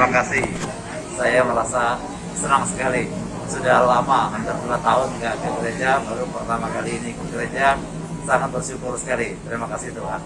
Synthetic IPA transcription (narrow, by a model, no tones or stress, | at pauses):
t̪makasɪh | sajaməɾasa | sənaŋsə̥kali | sudahlamaɦant̪arduat̪aʊnkaʔkəkəɾed͡ʒabaɾupərt̪amakaliːnikəkəɾəd͡ʒa | saŋat̪̚bərʃukʊrsə̥kalit̪ɾimakasɪht̪uɦan